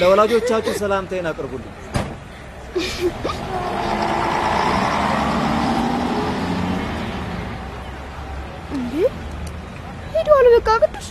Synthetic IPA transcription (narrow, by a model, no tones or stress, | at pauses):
ləwɔlad͡ʒo̞t͡ʃːat͡ʃːɛwsəlamt̪ʰəjnakʼɾbulːu | ɨnd̪e | hed̪alubəkʼːakʼət̪ː